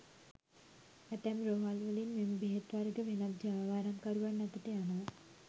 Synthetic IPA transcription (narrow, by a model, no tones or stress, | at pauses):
æt̪ɛmɾoːɦalʋəlinmembiɦet̪ʋaɾəɡəʋenat̪̚d͡ʒaːʋaːɾamkaɾuʋanːat̪ət̪eana